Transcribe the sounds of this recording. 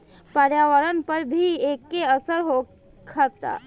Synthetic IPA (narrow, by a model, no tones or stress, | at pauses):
pəɾjaːʋəɾənpəɾbʱieːkːeəsəɾɦo | kʰət̪a̰ː